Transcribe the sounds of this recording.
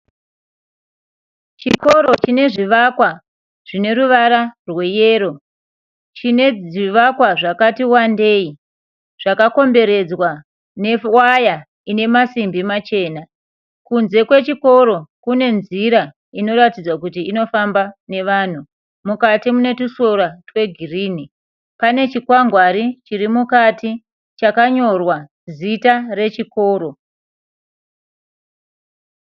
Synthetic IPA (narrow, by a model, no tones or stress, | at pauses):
t͡ʃiko̞ɾo̞t͡ʃine̞ʐiʋakwa | ʐ̥ine̞ɾuʋaɾarwe̞je̞ːɾo̞ | t͡ʃine̞iʋakwaʐakatiwande̞ːi | ʐ̥akako̞mbe̞ɾe̞d͡zwa | ne̞waja | ine̞masimbimat͡ʃe̞ːna | kunze̞kwe̞t͡ʃiko̞ɾo̞kune̞nziɾa | ino̞ɾatid͡zwakut̬iino̞fambane̞ʋaːn̤u | mukatimune̞tusoratwe̞ɡʱiriːni | pane̞t͡ʃikwaŋɡwaɾit͡ʃirimukati | t͡ʃakaɲo̞rwa | zitare̞t͡ʃiko̞ːɾo̞